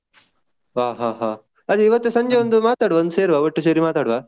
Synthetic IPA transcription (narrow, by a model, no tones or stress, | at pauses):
ʋaːɦaːɦaː | ɐd̪eiʋɐt̪ːesɐɲd͡ʒeʋond̪umaːt̪aːɽʋɐnd̪seːɾʋaːʋɐʈːusɐɾimaːt̪aːɽʋaː